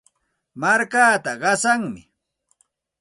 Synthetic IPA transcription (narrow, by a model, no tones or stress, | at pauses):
maɾkaːt̪aɢɑsaŋmɪ̰